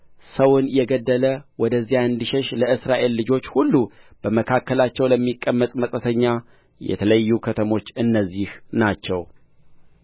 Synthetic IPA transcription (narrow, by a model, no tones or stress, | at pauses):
səwʊnjɛɡəd̪ːələwɔd̪əzːijaɨnd̪iʃɛʃləʔɨsɾaʔe̞lːɨd͡ʒo̞t͡ʃːhulːub̥əməkʰakːəlat͡ʃːɛwləmːikʼːəmːət̪ʼməsʼət̪ʰəɲːa | jɛ̰t̪ʰələjːukʰət̪ʰəmo̞t͡ʃːɨnːəzːihnat͡ʃːɛw